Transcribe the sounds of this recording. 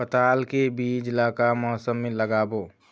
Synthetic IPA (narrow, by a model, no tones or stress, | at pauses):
ət̪aːlkebiːd͡ʒɪlaːkamɔːsəmːẽləɡaːboː